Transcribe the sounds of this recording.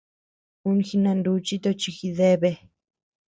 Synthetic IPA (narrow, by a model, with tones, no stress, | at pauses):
u˧nxi˧nã˧nd̪u˧˦t͡ʃi˦t̪o˧t͡ʃi˧xi˧ðe˦βe˧